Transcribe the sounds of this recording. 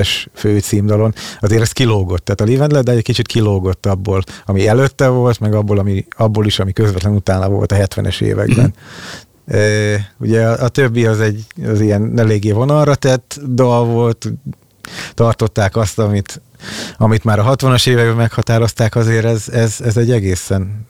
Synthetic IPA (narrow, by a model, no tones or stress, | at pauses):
ɛʃføːt̪siːmd̪ɒlo̞nɒzeːɾɛst̪̚kiloːɡo̞t̪ːaːt̪ɒliːvɛnd̪lɛd̪ɛɛcʲkit͡ʃit̪kʰiloːɡo̞t̪ːɒbːoːlɒmiɛløt̪ːɛvo̞lt̪mɛɡɒbːoːlɒmiɒbːoːliʃɒmikøzvɛt̪lɛnut̪aːnɒvo̞̰lt̪ɒɦɛt̪ʋɛ̰nɛ̰ʃḛːvɛ̰ɡbɛ̰n | øːuɟɛʔːt̪øbːiɒzɛɟːɒzijɛnːɛleːɡeːɦo̞nɒlrɒt̪ɛt̪ːd̪ɒlvo̞lt̪ | t̪ɒrt̪o̞t̪ːaːkɒst̪ɒmit̪ | ɒmit̪maːɾɒɦɒt̪ʋɒnɒʃeːvɛɡbɛmɛkhɒt̪aːɾo̞st̪aːkɒzeːɾɛzɛzɛzɛɟːɛɡeːsɛn